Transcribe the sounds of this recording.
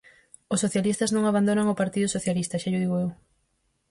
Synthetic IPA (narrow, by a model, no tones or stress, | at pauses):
ʊsoθjalist̪ɐznõŋaβand̪onaŋʊpaɾt̪iðʊsoθjalist̪ɐʃaʎʊðiɣʊew